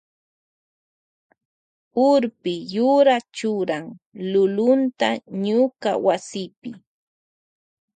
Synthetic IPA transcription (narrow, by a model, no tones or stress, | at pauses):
ʊɾpɪjʊɾat͡ʃʊɾaŋlʊlʊnt̪aɲʊka̰wasɪpɪ